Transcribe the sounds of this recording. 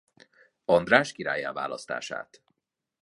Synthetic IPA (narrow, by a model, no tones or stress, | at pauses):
ɒnd̪raːʃkiɾaːjaːva̰ːlɒ̰st̪a̰ːʃa̰ːt̪